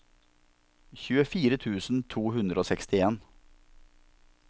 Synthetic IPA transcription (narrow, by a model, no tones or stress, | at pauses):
çʉːəfiːɾət̪ʰʉːsn̩t̪ʰuːɦʉnd̪ɾəoːsɛkst̪ɪeːn